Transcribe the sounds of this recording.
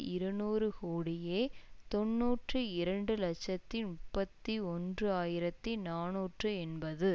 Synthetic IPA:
ɪɾɯnuːɾɯkoːɽɪjeːt̪ɔnːuːʈrɯɪɾɐɳɖɯlɐkt͡ʃːɐt̪ːɪmʊppːɐt̪ːiɔndrɯaːjɪɾɐt̪ːinaːnuːʈrɯɛnbɐðɯ

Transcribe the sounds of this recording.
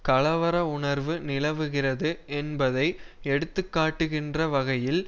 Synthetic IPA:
kɐlɐʋɐɾɐʊɳɐɾʋɯnɪlɐʋɯɣɪrɐðɯʔɛnbɐðɐɪɛɽɯt̪ːɯkːaːʈːɯɣɪndrɐʋɐɣɐjɪl

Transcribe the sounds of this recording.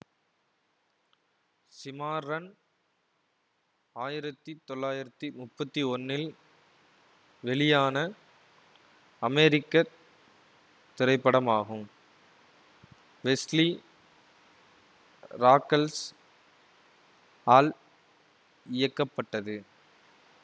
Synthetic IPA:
sɪmaːɾɐn | aːjɪɾɐt̪ːɯt̪ɔlːaːjɪɾɐt̪ːɯmʊpːɐt̪ːiɔnːɪl | ʋɛlɪjaːnɐ | ɐmɛɾɪkːɐ | t̪ːɪɾɐɪpːɐɽɐmaːɣɯm | ʋɛsli | ɾaːkːɐls | aːl | ɪjɐkːɐpːɐʈːɐðɯ

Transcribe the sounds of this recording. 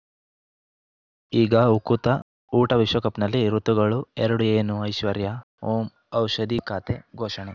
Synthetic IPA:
iːɡɐukut̪ɐ | uːʈɐʋiʃʋɐkɐpnɐlːiɾut̪uɡɐɭuɛɾɐɽueːnuɐjʃʋɐɾjɐ | oːm | ɐwʃɐd̪ikaːt̪eɡʱoːʃɐɳe

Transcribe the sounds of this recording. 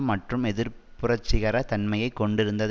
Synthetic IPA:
mːɐʈrɯmɛðɪɾpʊrɐt͡ʃːɪɣɐɾɐt̪ɐnmɐjɐɪkːɔɳɖɪɾɯnd̪ɐð

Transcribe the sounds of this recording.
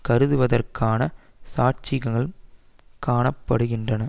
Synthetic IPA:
kɐɾɯðɯʋɐðɐrkʰaːnɐ | saːʈt͡ʃɪɣɐɣɐɭ | kaːɳɐpːɐɽɯɣɪndrɐnɐ

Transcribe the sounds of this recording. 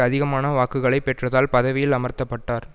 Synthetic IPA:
ɐðɪɣɐmaːnɐʋaːkɯɣɐɭɐɪpːɛʈrɐðaːlpɐðɐʋɪjɪlɐmɐɾt̪ɐpːɐʈːaːɾ

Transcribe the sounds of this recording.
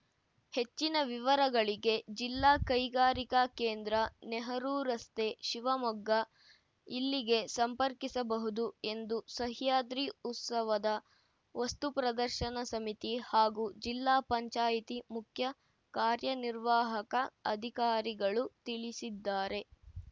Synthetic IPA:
he̞t͡ʃːinɐʋiʋɐɾɐɡɐɭiɡe̞d͡ʒilːaːkɐjɡaːɾikakeːnd̪ɾɐneɦɐɾuːɾɐst̪eːʃiʋɐmɔɡːɐ | ilːiɡe̞sɐmpɐɾkisɐbɐɦud̪ue̞nd̪usɐɦjaːd̪ɾiut̪sɐʋɐd̪ɐ | ʋɐst̪upɾɐd̪ɐɾʃɐnɐsɐmit̪ihaːɡuːd͡ʒilːaːpɐɲt͡ʃaːjit̪imukʰjɐ | kaːɾjɐniɾʋaːɦɐkɐɐd̪ʱikaːɾiɡɐɭut̪iɭisid̪ːaːɾe̞

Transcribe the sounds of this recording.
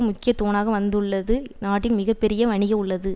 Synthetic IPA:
ɯmʊkːɪjɐt̪ːoːnaːɣɐʋɐnd̪ɯɭːɐðɯnaːʈːɪnmɪɣɐpːɛɾɪjɐʋɐɳɪɣɐʊɭːɐðɯ

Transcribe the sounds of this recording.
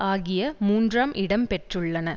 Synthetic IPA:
aːɣɪjɐmuːndraːmʔɪɽɐmpɛʈrɯɭːɐnɐ

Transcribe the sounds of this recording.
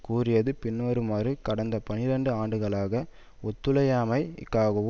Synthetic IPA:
kuːrɪjɐðɯpɪnːoːɾɯmaːrɯkɐɽɐnd̪ɐpɐnɪɾɐɳɖɯaːɳɖɯɣɐɭaːɣɐ | ɔt̪ːɯlɐjaːmɐɪkːaːɣɯʋ

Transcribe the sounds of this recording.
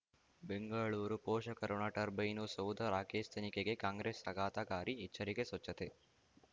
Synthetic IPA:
beŋɡəɭuːɾupoːʃəkɐɾoɳaʈɐɾbɐjnusɐwd̪ʱəɾaːkest̪ʰenikeɡekãːŋɡɾesɐɡaːt̪akaːɾiːtːt͡ʃʰɐɾikesɐt͡ʃːət̪e

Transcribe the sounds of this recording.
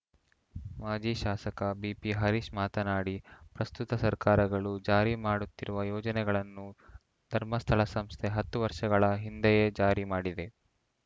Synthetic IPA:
maːd͡ʒiʃaːsɐkɐbiːpiɦɐɾiʃmaːt̪ɐnaːɽipɾɐst̪ut̪ɐsɐɾkaːɾɐɡɐɭud͡ʒaːɾimaːɽut̪ːiɾuʋɐjɔːd͡ʒɐnɛɡɐɭɐnːu | d̪ʱɐɾmɐst̪ʰɐɭɐsɐmst̪ʰeɦɐt̪ːuʋɐɾʂɐɡɐɭɐɦind̪ɛjed͡ʒaːɾimaːɽid̪e̞

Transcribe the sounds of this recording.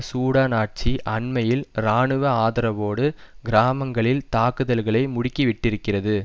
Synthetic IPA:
suːɽaːnaːʈ̚t͡ʃiʔɐɳmɐjɪlɾaːɳɯʋɐaːðɐɾɐʋoːɽɯɡɪɾaːmɐŋɡɐɭɪlt̪aːkɯðɐlɣɐɭɐɪmʊɽɪkːiʋɪʈːɪɾɯkːɪrɐðɯ

